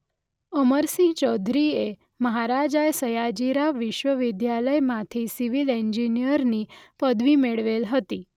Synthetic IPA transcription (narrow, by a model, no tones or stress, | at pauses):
əməɾsĩt͡ʃɔd̪ʱɾie | məɦaɾad͡ʒajsəjad͡ʒiɾaʋiʃʋəʋid̪jaləjmãt̪ʰisiʋileɲd͡ʒinijəɾnipəd̪ʋimeɭʋelɦət̪i